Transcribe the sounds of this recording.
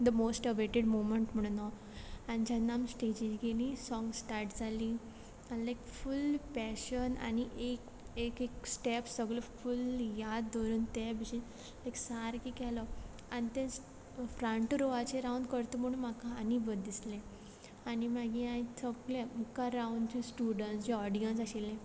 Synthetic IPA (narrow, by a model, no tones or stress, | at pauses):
d̪əmosʈəʋeʈeɖmoməɳʈm̤əɽ̃unɔ | anid͡ʑanːamsʈed͡ʑid͡ʑɡelĩsɔ̃ŋɡsʈaɾʈd͡zalĩ | anlajkfulpɛɕəna̰niʔek | ekeksʈepsəɡɭɔfuljad̪ːəɾuːnt̪ɛbʱiɕi | lajksaɾkikɛlɔ | anit̪ɛ̃ | fɾãɳʈɾoʋat͡ɕeɾauɳɖkəɾt̪ɔm̤əɽ̃uːnmakaːnibəd̪d̪islẽ | animaɡĩaĩsəɡlemkaɾauɳɖd͡ʑesʈuɽənsd͡ʑɛɔɾɖijə̃nsaɕilːẽ